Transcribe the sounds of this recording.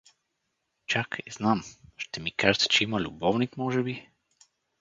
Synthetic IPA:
t͡ʃakiznamʃt̪ɛmikaʒət̪t͡ʃɛiməlʲʊbɔvnikmɔʒɛbi

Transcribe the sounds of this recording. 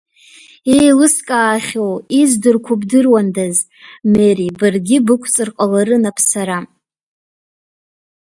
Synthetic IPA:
ejlɨskʼaːχʲowizdɨrkʷʰʊbdɨrwandaz | meɾibɨrɡʲɪbɨkʷʰt͡sʼɨrqʼalaɾɨnapʰsaɾa

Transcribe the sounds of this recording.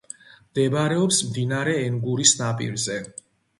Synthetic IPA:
md̪̥ɛbaɾɛɔpsmd̪inaɾɛːŋɡuɾisnapʼḭɾzɛ

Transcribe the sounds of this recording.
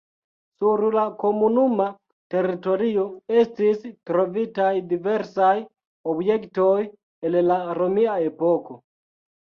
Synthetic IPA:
suɾlako̞munuma | te̞ɾito̞ɾio̞estistɾo̞vitajdive̞ɾsaj | objektoj | ellaɾomiaepoko̞

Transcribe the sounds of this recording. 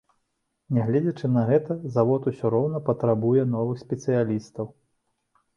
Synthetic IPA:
nʲɛɣlʲɛd͡zʲɐt͡ʂɨnɐɣɛt̪ɐzavɔt̪usʲɔɾɔwnɐpɐt̪ɾabujɛn̪ɔvɨxsʲpʲɛt̪sɨjalʲist̪ɐw

